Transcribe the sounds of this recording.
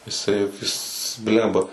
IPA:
jɪˈsɐɪ ˈjɪs ˈbʲlʲɛmbɐ

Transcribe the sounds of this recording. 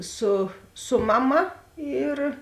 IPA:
ˈsʊ ˈsʊ mɐˌmɐ ˈiːr

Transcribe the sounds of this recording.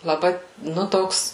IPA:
lˠɐˈbɐɪ ˈnʊ ˈtoːks

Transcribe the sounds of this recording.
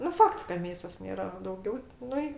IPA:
nʊ ˈfɐkts kɐ ˈmʲeːsoːs ˈnʲeːrɐ ɐ dɐʊˈɡʲɛʊ ˈnʊ ɪ

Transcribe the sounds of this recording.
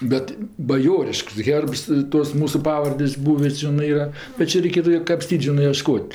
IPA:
ˈbʲɛt bɐˈjoːrʲɪʃks ˈɣʲɛrps ˈtoːs ˈmuːsʊ ˈpɑːʋɐrʲdʲeːsʲ ˈbuːʋʲɪ ˈʒʲɪnɜ ˈiːrɐ bʲɛt ˈt͡ʃʲɛ rʲɛɪˈkʲeːtʊ kɐpʲˈsʲtʲiːt ˈʒʲɪnɜ iɛˈʃkoːtʲ

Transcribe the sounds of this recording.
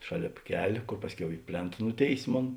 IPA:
ˈʃɑːˌlʲeːp ˈkʲɛlʲ ˈkoːr ˈpɑːsʲˌkʲɛʊ ɪ ˈpʲlʲeːnt ˈnʊˌtʲeːɪsʲ ˈmoːn

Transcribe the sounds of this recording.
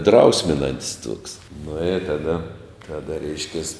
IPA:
ˈdrɐʊsʲmʲɪnɐnʲtʲsʲ tuɔks nʊ ɪ tɐˈdɐ tɐˈdɐ ˈrʲɛɪʃʲkʲɛs

